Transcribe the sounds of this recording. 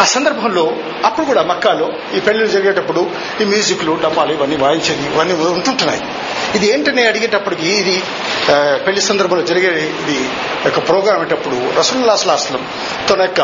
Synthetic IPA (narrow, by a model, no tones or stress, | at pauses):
aːsɐnd̪ɐɾbʱɐmlo̞ː | ɐpːuɽukuːɽaːmɐkːaːloː | iːpe̞ɭːilud͡ʒɐɾiɡeːʈɐpːuɽu | imjuːd͡ʒikluɖɐmːaːluiʋɐnːiːʋaːjiɲt͡ʃɐnd̪iiʋɐnːiːuɳʈuɳʈunːa̰ːji | id̪ieːɳʈɐneːɐɽiɡeʈɐpːuɽik̬iːd̪i | pe̞ɭːisɐnd̪ɐɾbʱɐmloːd͡ʒɐɾiɡeːɽiːd̪i | ɔkːɐpɾɔːɡɾaːmeːʈɐpːuɽuɾɐsuːlulaːslaːslɐm | t̪onɐjkːɐ